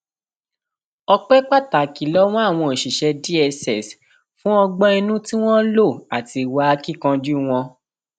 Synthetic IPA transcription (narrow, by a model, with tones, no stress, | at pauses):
ɔ˧k͡pɛ˦k͡pa˦˨ta˨ki˨lɔ˦w̃ɔ̃˦a˦˨w̃ɔ̃˧e˨ʃi˨ʃɛ˧di˦ɛ˧sɛ˨s | fũ˦ɔ˧ɡ͡bɔ˦ɛ˧nũ˦ti˦w̃ɔ̃˦lo˦˨a˨ti˧˨wa˦a˧ki˦kã˧d͡ʒu˦w̃ɔ̃˧